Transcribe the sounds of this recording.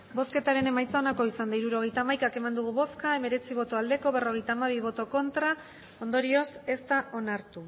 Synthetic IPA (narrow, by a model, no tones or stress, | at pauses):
bo̞ske̞t̪aɾe̞ne̞majt͡sao̞nako̞isand̪aiɾuɾo̞ɣ̞e̞jt̪aːmajkake̞mand̪uɣ̞uβo̞skae̞me̞ɾe̞t͡siβo̞t̪o̞ald̪e̞ko̞βe̞ro̞ɣe̞jt̪aːmaβ̞iβ̞o̞t̪o̞ko̞nt̪ɾa | o̞nd̪o̞ɾio̞se̞st̪aʔo̞naɾt̪u